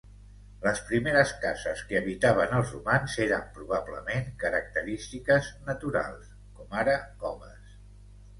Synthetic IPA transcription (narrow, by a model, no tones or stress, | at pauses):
ləspɾimeɾəskazəskəəβit̪aβ̞ənəlˠzrumanzeɾəmpɾuβ̞ablə̰meŋkəɾək̚t̪əɾist̪ikəznət̪uɾa̰lˠs | kɔmaɾəɔməs